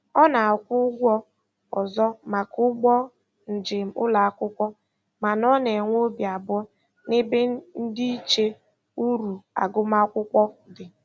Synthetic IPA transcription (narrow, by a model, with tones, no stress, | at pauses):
ɔ˦na˨kʷʊ˦ɡʷɔ˦ | ɔ˨zɔ˦ma˨kʊ˦ɡ͡bɔ˦ | n̩˨d͡ʒɪ˨m̩˨ʊ̰˦la˨a˨kʷʊ˦kʷɔ˦ | ma˨nɔ˦ne˨ŋʷo˦bja˨bɔ˦ | nɪ˦be˦n̩˦di˦i˦t͡ʃe˦ | u˦ɾu˨a̰˨ɡʊ˦ma˦kʷʊ˦kʷɔ˦dɪ˨